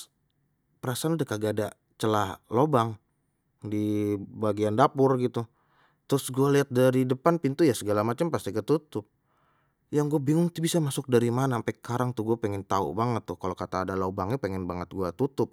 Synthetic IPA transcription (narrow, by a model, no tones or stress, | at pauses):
pəɾasaanadəkaɡaːda | t͡ʃəlahlobaŋ | dibaɡiandapʊrɡit̪u | t̪ɾʊsɡualiɦat̪̚daɾidəpanpint̪ujasəɡalamat͡ʃampast̪ikət̪ut̪ʊp̚ | jaŋɡuabiŋʊŋt̪ubisamasʊk̚daɾimanampajkaɾaŋt̪uɡuapɛŋɛnt̪aṵbaŋət̪ːʊhkalokat̪aːdalobaŋɲapeŋɛnbaŋət̪̚ɡuat̪ut̪ʊp̚